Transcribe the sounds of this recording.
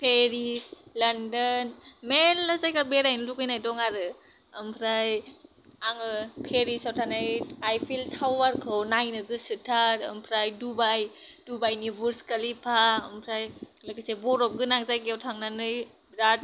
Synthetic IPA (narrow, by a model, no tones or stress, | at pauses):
pʰeɾislandɯnmelːazajkabeɾajnɯlukɯjnajdɔŋaɾɯ | ɯmpʰɾaj | aŋɯpʰeɾisawtʰanajajpʰiltʰawaɾkʰɯwnajnɯɡɯsɯtʰaɾɯ̰mpʰɾajdubajd̥ubajnibɯɾskalipʰaɯmpʰɾajlakasebɔɾɔp̚ɡɯnaŋzajɡewtʰaŋnanɯj | bɾad̚